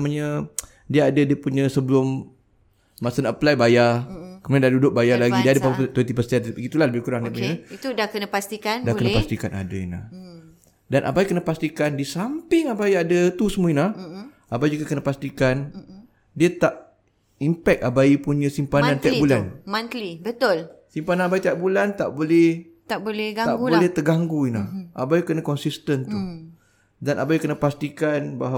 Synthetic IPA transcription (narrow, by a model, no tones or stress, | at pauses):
əmaɲa | diəadədiəpuɲəsəbəlʊmː | asənəplajbajakəmaadadudʊʔ̚bajalaɡidiadəpat̪wɛnt̪ipəst̪ianpiit̪ulahləbɪhkuɾaŋdiəpuɲəit̪udakənəpast̪ikandakənəpast̪ikana̰daina̰h | danʔa̰baikənəpast̪ikandiəsampɪŋabaiadət̪usəmuinahʔabaid͡ʒuɡakənəpast̪ikan | diat̪aʔ | impɛk̚abaipuɲəsimpamnãnt̪iak̚bulanmant̪libət̪ʊlsimpananabait̪iaʔ̚bulant̪aʔbolɛh | t̪abolɛɡat̪aʔblolɛht̪əɡaŋɡuina̰hʔabaikənakɔnsist̪ənt̪u | danʔabaikənəpast̪ikanbaɦ